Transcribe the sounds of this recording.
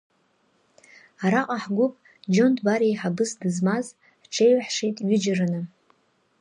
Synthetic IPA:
aɾaqʼaħɡʷʊpʼ | d͡ʒo̞ndʰbaɾijħabɨsdɨzmaz | ħʈ͡ʂʰejwħʂijtʼɥʏd͡ʒaranɨ

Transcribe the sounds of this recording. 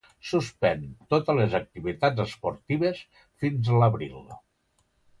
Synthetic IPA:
suspɛnt̪ot̪əlezək̚t̪iβit̪ad͡zəspoɾt̪iβes | finzləβɾḭlˠ

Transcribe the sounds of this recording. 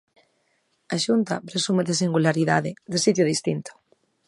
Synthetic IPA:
aʃunt̪ɐpɾesumeðesiŋɡulaɾiða̰ðɪðesit̪jʊðist̪int̪ʊ̥

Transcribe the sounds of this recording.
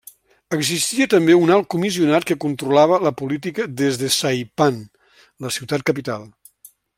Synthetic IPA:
əɡzist̪iət̪əmbeunalˠkumisiunat̪̚kəkunt̪ɾulaβ̞ələpulit̪̬ikəðezðəsajpan | ləsiwt̪at̪̚kəpit̪a̰lˠ

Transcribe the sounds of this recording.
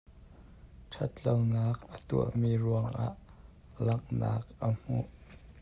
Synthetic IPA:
ʈ͡ʂʰɐt̪lownaːk̚ʔət̪uə̰ʔmiːruəŋʔa̰ʔ | lɐk̚na̰ːk̚ʔəm̥ṵʔ

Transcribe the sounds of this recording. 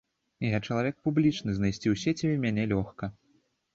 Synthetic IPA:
jat͡ʂɐlˠavʲɛk̚publʲit͡ʂnɨznajsʲt͡sʲiwsʲet͡sʲimʲanʲɛlʲɔxkɐ

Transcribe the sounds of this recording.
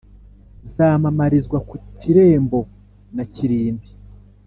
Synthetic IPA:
zaːmamaɾizɡwakuciɾe̞ːmbo̞ | naciɾiːmbi

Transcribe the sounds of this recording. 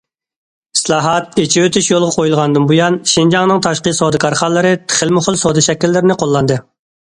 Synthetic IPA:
islˠɑːɦɑt̪̚et͡ʃʰiwøt̪ʰyʃjolˠʁɑqʰojulˠʁɑnd̪ɨmbujɑnʃind͡ʒɑŋnɨŋt̪ʰɑʃqəsod̪ɨkʰɑɾχɑnlːˠɨɾɨt̪ʰə̥χɪlmʊχəlˠsod̪ɨʃɛkʲːilːɪɾɪnɪqʰolˠːɑnd̪ɨ

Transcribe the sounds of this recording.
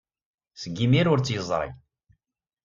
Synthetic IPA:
sɡːimiɾʊɾt͡sːjəzˤɾˤḭ

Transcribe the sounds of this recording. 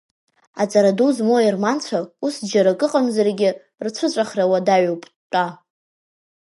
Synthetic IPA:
at͡sʼaɾaduzmoirmant͡ɕʷʰausd͡ʒaɾakʼɨqʼamzarɡʲɪ | rt͡sʷʰɨt͡ɕʷʼaχrawadaɥwpʼtʼa

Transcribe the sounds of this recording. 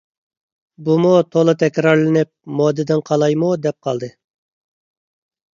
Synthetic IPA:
bumut̪ʰolˠɨt̪ʰɛkʲɾɑɾlɪnɪp̚mod̪ːɨd̪ɪnqʰɑlˠɑjmud̪ɛp̚qʰɑlˠd̪ɨ

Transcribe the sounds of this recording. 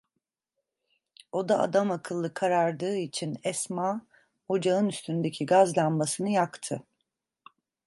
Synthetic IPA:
o̞d̪aa̰d̪amakʰɯlˠːɯkʰaɾaɾd̪ɯːit͡ʃʰinɛsmaː | o̞d͡ʒaɯnyst̪ʰynnd̪ecʰiɡazlˠanmasɯnɯjakt̪ʰɯ

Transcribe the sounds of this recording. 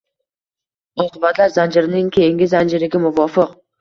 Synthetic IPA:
ɒːqɨbat̪laɾzand͡ʒɪɾɪnɪŋkʲʰejɪŋɡʲɪzand͡ʒɪɾɪɡʲamʊvɒːfɪq

